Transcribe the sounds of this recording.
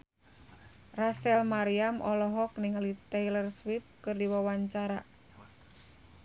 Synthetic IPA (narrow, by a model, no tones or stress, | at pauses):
rasɛlmaɾiamʔɔlɔɦɔk̚niŋalit̪ɛjlərswip̚kɨrdiwawaɲt͡ʃaɾa̰